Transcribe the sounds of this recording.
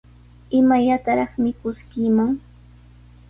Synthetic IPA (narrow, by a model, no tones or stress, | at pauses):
ɪmajat̪aɾɑχmɪkʊskɪmaŋ